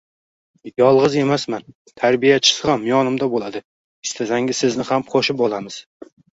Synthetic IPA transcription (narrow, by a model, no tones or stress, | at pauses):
jɒlˠʁɨze̞masman | t̪ʰaɾbijat͡ʃʰɪ̥sɨʁamjɒnɪmd̪abolˠad̪ɪ | ɪst̪ʰazaŋʲɪsɪznɪhamqʰoʃɪpɒlˠamɪz̥